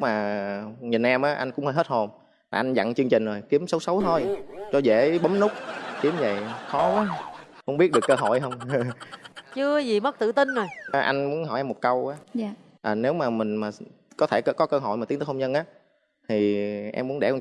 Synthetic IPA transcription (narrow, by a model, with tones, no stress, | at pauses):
maː˨˩ɲi˨˩nʔɛ˧mʔaː˨˦ʔa˧jŋ̟kʊ̰˧˥ŋ͡mhə˧jɦe˦˥t̚ho˧m | laː˨˩ʔa˧ŋ̟za̰˧˨ŋt͡ɕɨ˧əŋt͡ɕï˨˩ŋ̟zo˨˩jki˨˦əmsə˨˦wsə˨˦wt̪ʰo˧jt͡ɕɔ˧zḛ˧˥ɓə˨˦mnʊ˦˥k͡p̚ki˨˦əmzə̰˧˨jxɔ˨˦aː˨˦mə̰˧˥ŋ͡mi˦˥t̚ɗɨ˨˩əkːəː˧ɦo̰˧˨jɦə˧wŋ͡mt͡ɕɨ˧əzi˨˩mə˦˥k̚t̪ɨ̰˧˨t̪ï˧nzo˨˩jʔa˧jŋ̟mu˨˦ənɦɔ̰˧˩jʔɛ˧mo˨˩t̚kə˧wʔaː˨˦˧ | ʔəː˨˩ne˨˦wmaː˨˩mï˨˩ŋ̟maː˨˩ | kɔ˨˦t̪ʰe˧˩kə˧˩kɔ˨˦kəː˧ɦo̰˧˨jmaː˨˩i˨˦t̪əː˨˦hə˧ŋ͡mɲzə˧nʔaː˨˦ | t̪ʰi˨˩ʔɛ̰˧mːu˨˦ənɗɛ̰˧˩˧